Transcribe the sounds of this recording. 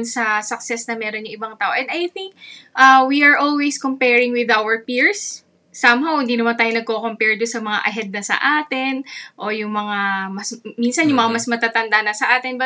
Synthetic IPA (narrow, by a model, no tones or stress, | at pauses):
nsɐsɐk̚sɛsnɐmɛːɾonɲoŋʔɪbɐŋt̪aːʔo̞ʔɛnd̪ɐjθɪŋk̚ʔɐwiɐɹʔolwejskompɛɹɪŋwɪðʔawɛɹpiɹsː | ɐmɦawhɪnd̪iːnɐmant̪aːjonɐɡ̚ko̞kompɛɹd̪onsɐmɐŋa̰ʔɐɦɛd̪̚nɐsɐ̰ʔaːt̪ɪnʔo̞jʊŋmɐŋamɐsminsɐnjʊŋmɐŋamɐsmɐt̪aːt̪ɐnd̪anɐsɐʔaːt̪ɪnbɐ